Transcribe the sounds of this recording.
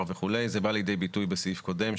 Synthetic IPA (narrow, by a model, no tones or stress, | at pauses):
veχule̞jzebalijd̪e̞jbitujbesifko̞de̞mʃ